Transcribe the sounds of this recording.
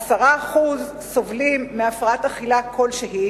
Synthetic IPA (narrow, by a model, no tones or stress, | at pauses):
asaʁaːχuz | so̞vlimːeafʁaataχilakʰo̞lʃeɦi